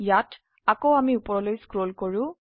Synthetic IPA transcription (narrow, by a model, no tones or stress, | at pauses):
jat | akoamiupɔɹɔlojskɹolkoɹʊ̃